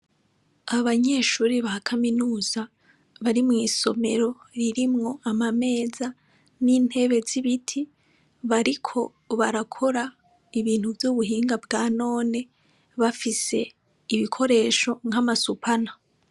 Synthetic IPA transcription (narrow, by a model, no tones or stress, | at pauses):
aβaɲeːʃuːɾiβahakʰaminuːza | βaɾimŋiːso̞me̞ɾo̞ɾiɾimŋo̞amame̞ːza | niːn̥he̞βe̞ziβitʰi | βaɾikʰo̞ | βaɾakʰo̞ɾa | iβiːnhuvjuβuɦiːŋɡabɡaːno̞ːne̞ | βafise̞ | iβikʰo̞ɾe̞ːʃo̞ŋhamasupʰana